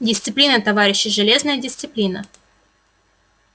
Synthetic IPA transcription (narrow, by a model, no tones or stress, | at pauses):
dʲɪst̪sɨplʲinət̪ɐvaɾʲɪɕːɪʐɨlʲe̞znəjədʲɪst̪sɨplʲinə